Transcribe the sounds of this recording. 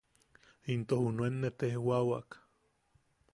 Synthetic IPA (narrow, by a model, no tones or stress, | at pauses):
int̪ohunuenːet̪ehwawa̰k